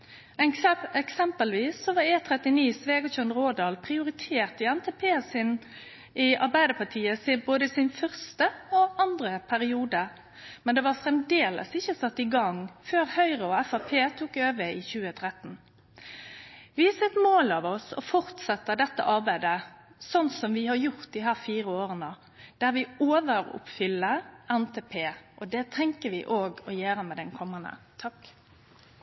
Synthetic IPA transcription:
ɛŋsɛɛksɛmpəlʋiːsːɔʋɑɾeːt̪ʰɾɛt̪ɪniːsʋeːɡɑçœnʁoːd̪ɑːlpʰʁɪʊɾɪt̪ʰeːʁt̪ɪɛnt̪ʰeːpʰeːsɪn | ɪɑʁbæɪd̪əpʰɑʈʰiːəsɪboːd̪əsɪnfœʁst̪əɔɑnd̪ʁəpʰæʁɪuːd̪ə | mɛnd̪ɛʋɑʁfɾɛmd̪eːlə̰sɪçːəsɑt̪ːɪɡɑŋføːɾhœʏʁəɔɛfɑpʰeːt̪ʰuːkøːʋəɪçʉːət̪ʰɾɛt̪ːn̩ | ʋɪhɑsɛt̪ːmoːlɑʋɔsɔ̰fɔʁt̪sɛt̪ːəd̪ɛt̪ːə̰ʔɑʁbæɪd̪ə | sɔnsɔmʋɪhɑɾjʊʁt̪d̪ɪɦæːʁfiːɾəoːʁənə | d̪̥æɾʋɪoːʋəɾʊ̰pfʏlːəʔɛnt̪ʰeːpʰeːʔɔd̪ɛt̪ʰɛŋkəʋɪʔoːɡɔjøːɾəmɛd̪ɛnkʰɔmːənə̰t̪ʰɑk

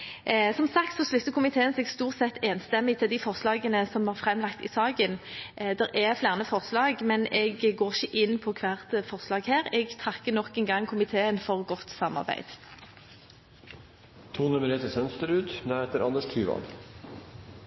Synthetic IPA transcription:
sɔmsɑk̚t̪sɔslʉt̪ːəkʰʊmɪt̪ʰeːənsɛːɡst̪uːʁt̪sɛt̪ːeːnst̪ɛmːɪt̪ʰɪld̪ɪfɔʁslɑːɡənəsɔmhɑːʁfʁɛmlɑk̚t̪ɪ̰sɑːɡənd̪ɛɾʔɛflæːʁənəfɔʁslɑːɡmɛnɛɡːoːʁɪçəʔɪnːpʰɔkʰʋæːʁt̪əfɔʁslɑːɡheːɾɛɡt̪ʰʁɑkːənɔkɛnɡɑŋːkʰʊmɪt̪ʰeːənfɔʁɡɔt̪sɑmːɑ̰ʁbæ̰ɪd̪̥ | t̪ʰuːnʉməɾet̪əsœnst̪əɾʉːd̪næheːt̪əɾɑnd̪əʂt̪ʰyːʋɑ̰n

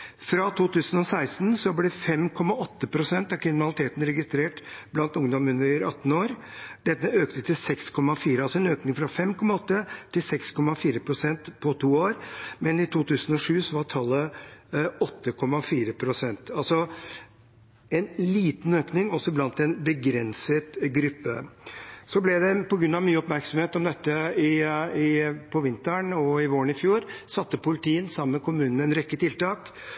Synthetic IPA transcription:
fɾɑt̪ʰuːt̪ʰʉːsənɔsæɪst̪nsɔblɛfɛmkʰɔmːɑɔt̪ːəpʰɾʊsɛnt̪ɑʋkʰɾɪnmɪnɑlɪt̪ʰeːt̪n̩ɾɛɡɪst̪ɾeːʈblɑnt̪ʊŋd̪ɔmʉnəɾɑ̰t̪ːn̩oːɾd̪ɛt̪ːəøːkt̪ət̪ʰɪlsɛkskʰɔmɑfiːɾəɑlsɔɛnøːknɪŋfɾɑfɛmkʰɔmɑɔt̪ːət̪ʰɪlsɛkskʰɔmɑfiːɾəpʰɾʊsɛnt̪pʰɔt̪ʰuːoːɾmɛnɪt̪ʰuːt̪ʰʉːsən̩ɔʂʉːsɔʋɑʈʰɑlːə | ɔt̪ːəkʰɔmːɑfiːɾəpʰɾʊsɛnt̪ɑlsɔ | ɛnliːt̪n̩øːknɪŋɔsːɔblɑnt̪ɛnbəɡɾɛnsət̪ɡɾʏpːə̰ | sɔblɛd̪ɛpɔɡɾʉnɑʋmyːəɔpmæɾksɔm̩heːt̪ɔmd̪ɛt̪ːəɪɪpʰɔʋɪnt̪æɳɔɪʋoːɾəɳɪfjuːɾsɑt̪ːəpʊlɪt̪ʰiːənsɑməmmɛkʰʊmʉːnn̩ɛnɾɛkːət̪ɪlt̪ɑːk

